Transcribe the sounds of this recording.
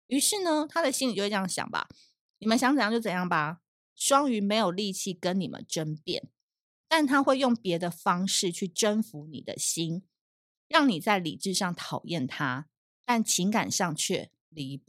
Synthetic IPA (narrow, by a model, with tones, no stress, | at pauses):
y˧˥ʂɻ̩˥˩nə˨t̪ʰa˥d̪ə˨ɕi˥ni˨t͡ɕo˥˧˩jɑ˥˩ŋɕjɑ̰˨˩ŋba̰˩ | ni˨˩mə˨˦nɕjɑ˧˥ŋt͡sə˨˩jt͡ɕo˥˩ʊt͡sə˨˩jɑ˥˩ŋbɐ˨ | ʂwɑ˥ŋy˧˥me˧˥ɪjo˨˩li˥˧t͡ɕʰi˥˩kə˦nni˨˩mə̰˦nʈ͡ʂə˦npjɛ̰˥˩n | t̪a˥˩nt̪ʰa˥xwe˥˧ɪjʊ˥˨˩ŋpjɛ˨˧˥d̪ə˨fɑ˥ŋʂɻ̩˥˧t͡ɕʰy˥˩ʈ͡ʂə˦nfu˧˥nḭ˨˩d̪ə̰˦ɕi˥n | ɻɑ˥˩ŋni˨˩t͡sa˥˩ɪlḭ˨˩ʈ͡ʂɻ̩˥˧ʂɑ˥˩ŋt̪ʰɑ˨˩ʊjɛ˥˩nt̪ʰa˦ | t̪a˥˩nt͡ɕʰi˧˥ŋka̰˨˩nʂɑ˥˧ŋt͡ɕʰɥɛ̰˥˩ | li˨˧˦p